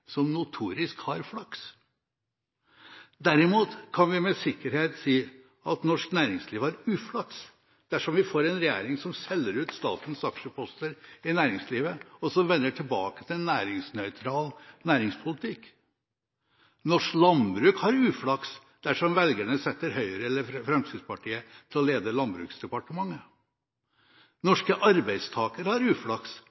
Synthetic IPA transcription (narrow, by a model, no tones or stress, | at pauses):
sɔmnʊt̪ʰuːɾɪskhɑɾflɑks | d̪æɾɪmuːt̪kʰɑnʋɪmɛsɪkːəɾheːt̪siː | ɑt̪nɔʂknæːɾɪŋsliːʋæɾʉːflɑks | d̪̥æʂɔmʋɪfoːɾɛnɾɛjḛːɾɪŋsɔmsɛlːəɾʉːt̪st̪ɑ̰ːt̪n̩sɑkʂəpʰɔst̪əɾɪnæːɾɪŋsliːʋəɔsɔʋɛnːəʈʰɪlbɑ̰ːkət̪ʰɪlɛnːæːɾɪŋsnœʏt̪ʰɾɑːlnæːɾɪŋspʰʊlɪt̪ʰɪk | nɔʂlɑnbɾʉːkhɑɾʉːflɑks | d̪̥æʂɔmʋɛlɡæɳəsɛt̪ːəɾɦœʏəɾəɛlːəfɾɛmt̪ʰiːd̪spɑʈʰiːət̪ʰɪlɔleːd̪əlɑnbɾʉ̰ːksd̪ɛpɑʈəmɑŋːə | nɔʂkəʔɑɾbæɪd̪st̪ʰɑːkəɾhɑɾʉːflɑks